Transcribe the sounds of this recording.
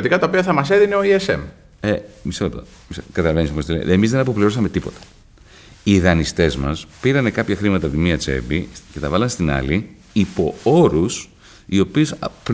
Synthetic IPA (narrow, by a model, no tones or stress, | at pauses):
ot̪ikɐt̪ɐopiɐθɐmɐseðineo̞iesḛm | emisɐlept̪o | miskɐt̪ɐlɐvenisopost̪ilen̰emizðenɐpopliɾosɐme̞t̪ipo̞t̪ɐ̥ | iðɐnist̪e̞zmɐspiɾɐne̞kɐpçɐxɾimɐt̪ɐpot̪imiɐt͡se̞̰bice̞t̪ɐvɐlɐnst̪inɐ̰li | ipo̞̰o̞ɾus | io̞piusp